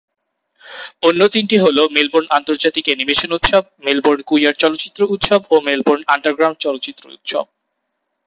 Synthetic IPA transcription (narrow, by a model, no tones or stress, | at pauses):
onːot̪inʈiɦolomelboɾnant̪oɾd͡ʑat̪ikenimeʃonut̪ʃob̚melboɾɖkuiaɾt͡ɕɔlotːɕit̪ːɾout̪ʃobomelboɾɳaɳʈaɾɡɾawɳʈ̚t͡ɕɔlot̪ːɕit̪ːɾo̰ṵt̪ʃo̰b̚